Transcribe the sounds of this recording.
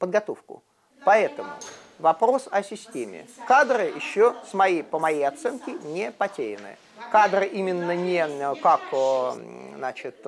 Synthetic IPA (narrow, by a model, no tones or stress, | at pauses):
pəd̪̚ɡɐt̪o̞fkʊ̰ | pɐɛt̪əmʊ̰ | vɐpɾo̞sɐsʲɪsʲtʲemʲɪ̰kad̪ɾɨjɪɕːosmɐjejpəmɐjejɐt̪sɛnkʲɪnʲɪpɐtʲeɾʲɪnɨ̰ | kad̪ɾɨʔimʲɪnːənʲekak | znat͡ɕɪt̪